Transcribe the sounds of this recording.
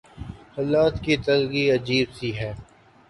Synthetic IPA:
hɐlaːt̪kit̪ɐlɡiɐd͡ʒiːbsiɦɛː

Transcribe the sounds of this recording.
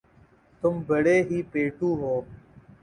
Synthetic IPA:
t̪ʊmbəɽeːɦiːpeːʈũːɦoː

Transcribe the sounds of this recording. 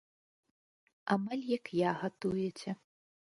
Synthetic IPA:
amalʲjɐkjaɣat̪ujɛt͡sʲɛ

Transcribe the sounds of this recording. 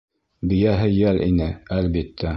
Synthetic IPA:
bɘ̆jæɦɘjælʔḭnɘælbit̪ʰːæ

